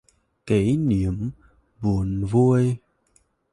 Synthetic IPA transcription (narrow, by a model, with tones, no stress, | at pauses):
ke˨˦jni˨˦əm | bu˨˩ənvu˧əj